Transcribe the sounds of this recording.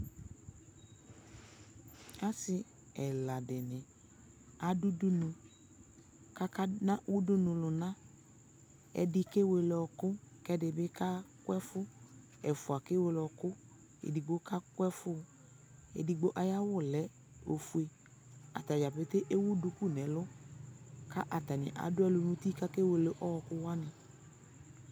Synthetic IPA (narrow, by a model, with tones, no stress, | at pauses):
a˦sɪ˧ | ɛ˨la˨dɪ˨nɪ˨ | a˨du˦du˦nu˧ | ka˦ka˦nã˦u˦du˦nʊ̃˨lʊ˨nã˦ | ɛ̰˨dɪ˧ke˦we˧lɔ˨kʊ˦kɛ˦dɪ˨bɪ˦ka˦kwɛ˦fʊ˦ | ɛ˨fʊ˨a˨ke˦we˧lɔ˧kʊ˦ | ḛ˨di˨ɡ͡bo˦ka˦kʊ˦ɛ˦fʊ˦ | ḛ˨di˨ɡ͡bo˦ʔa˨ja˦wʊ˦˨lɛ˨˦ | o˨fu˦e˨ | a̰˨t̪a˨d͡ʒa˨pe˦t̪e˦ʔe˦wʊ˦dʊ˧ku˦˨nɛ˨˦lʊ˦ | ka˦ʔa˨ta˨nɪ̰̃˨ʔa̰˨dʊ˦ɛ˦lʊ˧nũ˦ti˦ka˦ke˦we˨le˨ʔɔ˦ɔ˨kʊ˦wa˦nɪ˨